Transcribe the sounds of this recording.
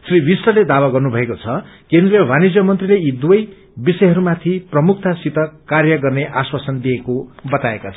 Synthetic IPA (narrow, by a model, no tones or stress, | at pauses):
sriwisrʌled̪awaɡʌrnubʱʌekot͡sʰʌ | kend̪rijʌwʱanid͡zjʌmʌnt̪rileid̪uʌj | bisʌjɦʌɾumat̪ʰiprʌmuk̚ʰt̪asit̪ʌkarjʌɡʌrneʔaswasʌnd̪iekobʌt̪aekat͡sʰʌ